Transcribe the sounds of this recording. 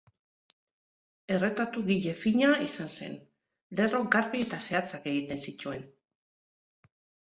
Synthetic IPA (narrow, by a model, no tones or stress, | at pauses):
e̞re̞t̪at̪uɣiʎe̞fiɲaisanse̞̰n | le̞ro̞ɡaɾβie̞t̪ase̞at͡sake̞ɣit̪e̞nsit͡ʃue̞n